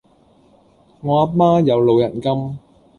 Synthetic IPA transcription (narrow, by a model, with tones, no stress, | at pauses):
ŋɔː˨˧ɐ˥t̚maː˥jɐ˨˧wlo˨˧wjɐ̰˨˩nkɐ˥m